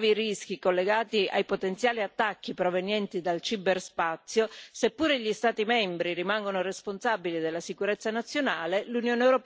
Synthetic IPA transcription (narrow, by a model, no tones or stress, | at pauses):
viɾisk̟ikolːeɡaːt̪ia̰jpot̪ent̪sjaːliat̪ːakːipɾovenjɛnt̪id̪alt͡ʃiberspat̪sːjosepːuːɾeʎist̪aːt̪imɛmbɾiɾimaŋɡonoresponsabilid̪elːasikuɾet̪sːanat̪sːjonaːlelunjoːneewɾop